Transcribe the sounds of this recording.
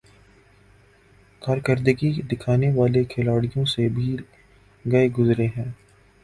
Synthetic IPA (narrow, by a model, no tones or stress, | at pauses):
kaːɾkəɾd̪kid̪ɪkʰaːneʋaːlekʰɪlaːɽijõsebʱiː | ɡɐeɡʊzɾeɦɛ̃ː